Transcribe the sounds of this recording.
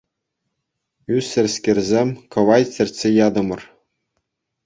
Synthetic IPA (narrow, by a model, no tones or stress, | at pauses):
ysʲɘ̆rʲskʲerʲzʲemʲkɤ̆ʋɑjsʲɘ̆rʲtʲsʲejɑd̪ɤ̆mɤ̆r